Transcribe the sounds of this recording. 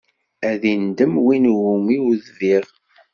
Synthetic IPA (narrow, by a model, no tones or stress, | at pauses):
æðind̪əmwinwumiwðviʁ